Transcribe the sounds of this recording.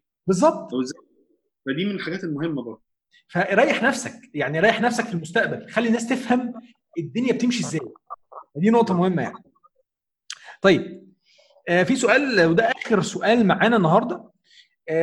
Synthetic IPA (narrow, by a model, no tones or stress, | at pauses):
bezˤːɑb̚t̪ˤez | fæd̪iːmenelħaɡæːt̪elmohemːæbɑɾd̪ˤ | fæɾˤɑjːeħnæfsæk̚jaʕniɾɑːjːeħnæfsækfilmost̪æʔbælxælːinːæːst̪efhæm | ed̪ːonjæbet̪emʃiezːæːjfæd̪iːnoʔt̪ˤɑmohemːæja̰ʕni | t̪ˤɑjːeb̚ | ʔæːfisoʔæːlwed̪æʔæːxeɾsoʔæːlmaʕaːnænːɑɦɑɾˤd̪ˤɑ